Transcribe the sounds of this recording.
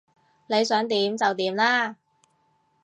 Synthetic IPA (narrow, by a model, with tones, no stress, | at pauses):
le˨˧jsœː˨˥ŋt̪iː˨˥mt͡sɐ˨wt̪iː˨˧˥mlaː˥